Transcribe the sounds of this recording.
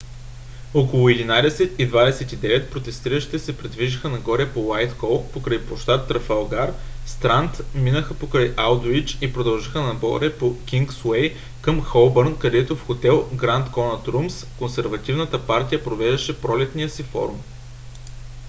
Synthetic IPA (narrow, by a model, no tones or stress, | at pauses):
okolˠʊɛd̪inad̪ɛsɛt̪id̪vad̪ɛsɛt̪id̪ɛvɛt̪̚pɾot̪ɛst̪iɾəʃi̥t̪ɛsɛpɾid̪viʒixənɐɡɔɾɛpowajt̪xɔlˠkpokɾəjpoʃt̪at̪ɾɐfɛlˠɡaɾst̪ɾant̪minəxəpokɾajʔalˠd̪oit͡ʃipɾod̪ɐlˠʒixənɐɡɔ̰ɾɛpokʲiŋɡswɛj | kəmxɔlˠbəɾnkɐd̪ɛt̪ofxot̪ɛlˠɡɾant̪kɔnɐt̪ɾumskonsɛɾvɐt̪ivnət̪əpaɾt̪ijəpɾovɛʒd̪ɐʃɛpɾɔlɛt̪nijəsifɔ̰ɾum